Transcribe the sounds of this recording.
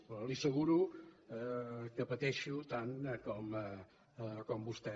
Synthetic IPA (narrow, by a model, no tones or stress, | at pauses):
lisəɣ̞uɾu | kəpət̪ɛʃut̪aŋkɔm | kɔmbust̪ɛ